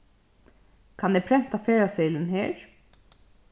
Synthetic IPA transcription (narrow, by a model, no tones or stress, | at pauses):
kʰɑnɛpʰɾɛn̥t̪afeːɹasɛɪlənheːɹ